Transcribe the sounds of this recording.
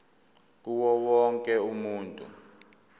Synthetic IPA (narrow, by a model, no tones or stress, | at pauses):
k̬uwɔwɔŋkʼɛumuːntʼṵ